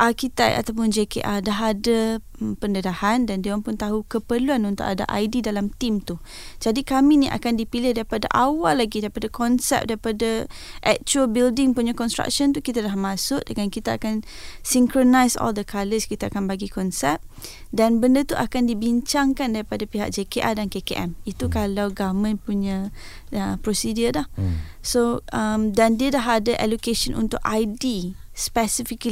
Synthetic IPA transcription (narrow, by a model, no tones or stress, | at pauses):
ʔakit̪ɛk̪a̰t̪awp̬ʊnd͡ʒekḛʔadaɦada | mpəndədahandandeaŋpʊnt̪aɦukəpərluanunt̪ʊ̰kada̰ʔajdidalamt̪imt̪u | d͡ʒadikamĩniʔa̰kandipilɪhdaɾipada̰ʔawalːaɡidaɾipadakʰɔnsɛ̰p̚daɾipadaʔɛk̚t͡ʃuəlbildɪŋpuɲakɔnst̪ɾa̰k̚ʃɔnt̪ukit̪alahmãsʊk̚dəŋankit̪aakan | siŋkɾonajsɔ̰ldəkaləskit̪aakanbaɡikɔnsɛp̚danbəndət̪uʔakandibiɲt͡ʃaŋkandaɾipadapiɦa̰k̚d͡ʒekeʔadankekeʔɛmit̪ukalawɡamãnpuɲã | əpɾosidiədahsoəmdandiədaɦadaʔɛlokeʃənʔṵnt̪ʊʔajdispɛsifik